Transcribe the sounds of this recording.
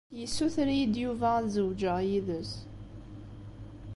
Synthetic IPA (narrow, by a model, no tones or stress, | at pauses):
jisuθɾid̪juvæzəwd͡ʒəʁjiðəs